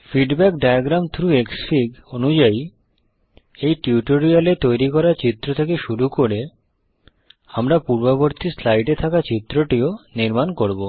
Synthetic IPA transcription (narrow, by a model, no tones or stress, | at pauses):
fiɖbɛkɖajaɡɾamt̪ʰɾueksfʰiɡonud͡ʑai | ejʈiuʈoɾialet̪ojɾikɔɾat͡ɕit̪ːɾot̪ʰekeʃuɾukoɾe | amɾapuɾbaβoɾt̪islajʈet̪ʰakat͡ɕit̪ːɾoʈioniɾmankoɾbo